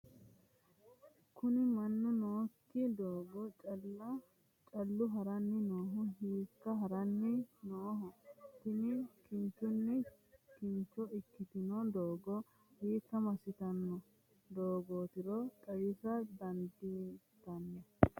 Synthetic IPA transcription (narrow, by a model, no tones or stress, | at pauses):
kʊnɪmɐnːʊnoːkːɪd̪oːɡɔt͡ʃʼɐlːɐ | t͡ʃʼɐlːʊɦɐɾɐnːɪnoːɦɔɦiːkːɐɦɐɾɐnːɪnoːɦɔt̪ɪnɪkɪnt͡ʃːʊnːɛ | kɪnt͡ʃːɔɪkːɪt̪ɪnɔd̪oːɡɔ | hiːkːɐmɐsɪt̪ɐnːɔ | d̪oːɡoːt̪ɪɾɔt̪ʼɐjɪsɐd̪ɐnd̪it̪ːɐnːɛ